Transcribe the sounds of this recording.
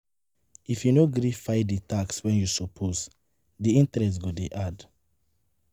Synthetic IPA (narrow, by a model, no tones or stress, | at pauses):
ifjunoɡɾifajditakswɛ̃njusɔpʰos | diĩntɹɛs̬tɡudeʔad